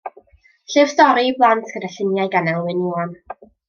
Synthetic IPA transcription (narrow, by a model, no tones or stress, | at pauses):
ɬɨv̥stɔɾiblˠantʰɡ̥ədaɬɪnjajɡanɛlˠwɨnuɔn